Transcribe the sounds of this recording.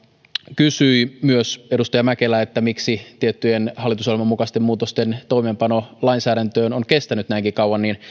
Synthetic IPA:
kysyimyøsedust̪ɑjɑmækelæet̪ːæmiksit̪iet̪ːyjenhɑlːˑit̪usolmɑmukɑst̪emuːt̪ost̪ent̪o̞imeːmpɑnolɑinsæːɾænt̪øːnoŋkest̪ænyt̪næiŋkikɑwwɑnnin

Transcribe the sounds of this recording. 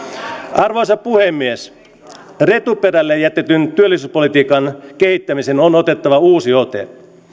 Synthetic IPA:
ɑrʋosɑppːuhemːies | re̞t̪uperælːejæt̪ːet̪ynt̪yølːisyːspolit̪iːkɑnkehit̪ːæmisenonot̪et̪ːɑʋɑuːsiot̪ḛ

